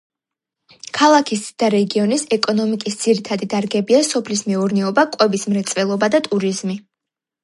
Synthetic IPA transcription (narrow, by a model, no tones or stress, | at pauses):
kʰalˠakʰisd̪̥aɾɛɡiɔnisɛkʼɔnɔmikʼisd̪z̥iɾit̪ʰad̪id̪aɾɡɛbiasɔpʰlismɛuɾnɛɔbakʼwɛbismɾɛt̪sʼvɛlˠɔbad̪at̪ʼuɾizmi